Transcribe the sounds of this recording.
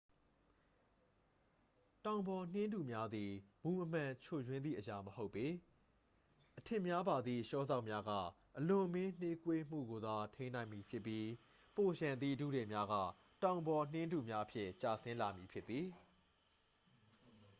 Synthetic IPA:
tã˨ʊ̃mbɔ˨n̥ɪ̃˦ndu˨mja˦d̪ði˨mu˨ʔəm̥ã˨t͡ɕʰo˦˨jwɪ̃˦nd̪ðḭ˦˨ʔəja˨məho˦ʊpːe˦ | ʔətʰɪ̃˨mja˦ba˨d̪ðḭ˦˨ʃɔ˦za˦ʊʔmja˦ɡa̰˦˨ | ʔəlʊ̃˨ʔəmɪ̃˦n̥e˦kwe˦m̥ṵ˦˨ɡo˨d̪a˨tʰẽ˦ɪ̃nã˨ɪ̃mi˨pʰjɪ˦ʔpːji˦ | po˨ɕã˨nd̪ḭ˦˨dṵ˦˨ɾɛ˨mja˦ɡa̰˦˨ | tã˨ʊ̃mbɔ˨n̥ɪ̃˦ndu˨mja˦ʔəpʰjɪ̰̃˦˨ʔt͡ɕa˨sɪ̃˦la˨mji˨pʰjɪ˦t̪ːði˨

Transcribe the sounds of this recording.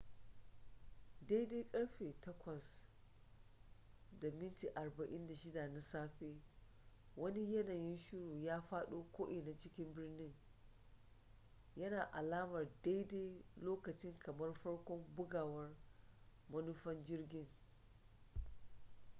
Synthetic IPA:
da˦jde˦kʼɐ˦ɽɸeː˨tɐ˦kʷɐ˨s | da˨mɪ˦nti˨ʔa˨rbɐ˨ʔɪ˦nda˨ʃɪ˦da˨na˦saː˦ɸeː˦ | wɐ˦ni˦jɐ˦naː˨jɪ˦nʃʊ˦ɽuː˨jaː˦ɸaː˦ɗoː˦kʷoː˦ʔɪ˨na˦t͡ʃɪ˦kʲɪ˦mbɪ˦rnɪ˦ŋ | jɐ˦naː˨ʔa˨laː˦mɐ˨rda˦jdeː˦jloː˦kɐ˨t͡ʃɪ˦ŋkɐ˨mɐ˦rɸɐ˦ɽkʷɔ˦mbʊ˦ɡaː˨wɐ˦r | mɐ˦nʊ˦ɸɐ˦nd͡ʒɪ˦rɡʲɪ˦ŋ

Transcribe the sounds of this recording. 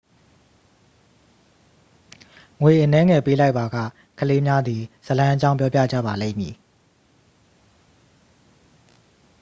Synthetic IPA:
ŋwe˨ʔə˨nɛ˦ŋɛ˨pe˦la˦ɪʔpːa˨ɡa̰˦˨ | kʰəle˦mja˦d̪i˨sə˨lã˦ʔə˦t͡ɕã˦ʊ̃mpjɔ˦p̬ja̰˦˨d͡ʑä̰˦˨ba˨lḛ̃˦˨mjḭ˨

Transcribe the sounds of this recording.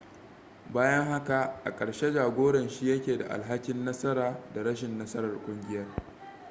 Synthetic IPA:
baː˦jɐ˦ŋha˦ka˨ʔa̰˨kʼɐ˨ɽʃe˦d͡ʒaː˨ɡʷoː˦ɽɐ˨nʃi˦jɐ˦kʲeː˨da̰˨ʔa̰˨lɦa˦kʲɪ˦nːɐ˦sɐ˦ɾaː˨da˨ɽɐ˦ʃ̬ɪ˨nːɐ˦sɐ˦ɾɐ˨rkʷʼʊ˦ŋɡʲɪ˦jɐ˦r

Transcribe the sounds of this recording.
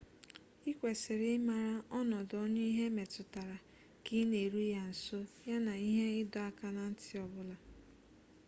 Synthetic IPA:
i˦kʷe˨sɪ˨ɾɪ˦ma˨ɾa˦ɔ˦nɔ˨dɔ˦ɲe˦i˦ɦe˦me˨tʊ˨ta˨ɾa˨ | ki˦ne˨ɾu˦ja˦n̩˨so˦ja˦na˨i˦ɦe˦ɪ˦dɔ˨a˦ka˦na˨n̩˦tɪ˦ɔ˨bʊ˦la˨

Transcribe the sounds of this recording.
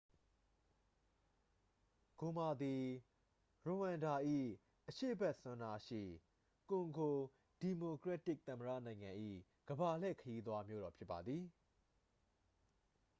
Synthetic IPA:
ɡ̥o˨ma˨d̪i˨ | ɹo˨hã˨nda˨ʔḭ˦˨ | ʔəʃḛ˦˨bɛ˦ʔsʊ̃˦nda˦ʃḭ˦˨ | kʊ̃˨ŋɡo˨ | d̥i˨mo˨kɹɛ˦tɪ˦˨ʔ̚t̪ə̃˨mə˨ɾä̰˦˨nã˨ɪ̃ŋã˨ʔḭ˦˨ | ɡ̥əba˨l̥ɛ̰˦˨kʰəji˦d̪wa˦mjo̰˦ɾɔ˨pʰjɪ˦pːa˨d̪ði˨

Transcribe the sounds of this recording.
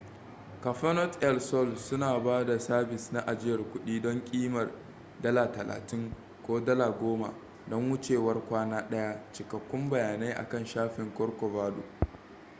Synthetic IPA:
kɐ˨ɸɐ˦nɔ˦tʔɛ˦lsɔ˦˨lsʊ˦naː˨baː˦da˨saː˦bɪ˨sna˦ʔa˨d͡ʒɪ˦jɐ˨rkʷʊ˦ɗiː˦dɔ˦ŋkʲʼiː˦mɐ˨r | dɐ˦laː˨tɐ˨la̰ː˨tɪ˦ŋ | kʷoː˦dɐ˦laː˨ɡʷoː˦ma̰˨ | dɔ˦ŋwʊ˦t͡ʃeː˨wɐ˦rkʷaː˦naː˦ɗɐ˦ja˦t͡ʃɪ˨kɐ˨kʷːʊ˦mbɐ˨jaː˨na˦jʔa̰˨kɐ˦˨nʃaː˦ɸɪ˨ŋkʷʼɔ˦rkʷɔ˨vaː˦do̰ː˨

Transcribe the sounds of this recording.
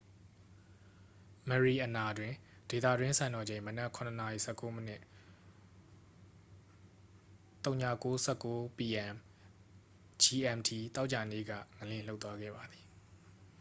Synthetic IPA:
mə˨ɹi˨ʔəna˨dwɪ̃˨d̥e˨t̪ä˦˨dwɪ̃˦nsʰã˨nɔ˨d͡ʑẽ˨mənɛ˦ʔkʰʊ̃˨nə˨na˨ḭ˨sɛ˦˨kːo˦mə˦nɪ̰˦ʔ | t̪õ˦ʊ̃ɲä̰˦˨ko˦sɛ˦˨kːo˦pi˨ʔɛ̃˨m | d͡ʑi˨ʔɛ̃˨mtʰi˨t̪a˦ʊʔt͡ɕa˨nḛ˦˨ɡä̰˦˨ŋəlɪ̃˦˨l̥o˦ʊt̪ːwa˦ɡɛ̰˦˨ba˨d̪i˨

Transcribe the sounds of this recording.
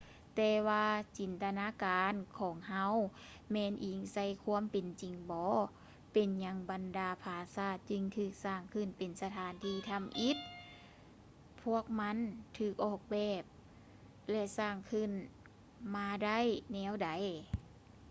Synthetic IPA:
t̪ɛː˧waː˧t͡ɕi˨˩nt̪a˧naː˧˥˨kaː˨˧nkʰɔː˨˦ŋɦa˧˥w | mɛː˧˥˨nʔiː˨˩ŋsa˧˩˨jkʰu˧˥ə˨mpe˨nt͡ɕi˨˩ŋbɔː˨˧˦ | pe˨nɲa˧˥ŋba˨ndaː˨˧pʰaː˧saː˧˩t̪̚t͡ɕɯ˧ŋt̪ʰɯː˧˩k̚saː˧˩ŋkʰɯ˧˥˨npe˨˩nsa˧t̪ʰaː˨˦nt̪ʰiː˧˩t̪ʰa˧˥mʔi˧˦˥t̪̚ | pʰːu˧˥˩ək̚ma˧˥˨nt̪ʰɯː˧˩k̚ʔɔː˧˩k̚bɛː˧˩p̚ | lɛ˧saː˧˩ŋkʰɯ˧˥˨n | maː˧da˥˩˨jnɛː˧˥˨wda˨˦j

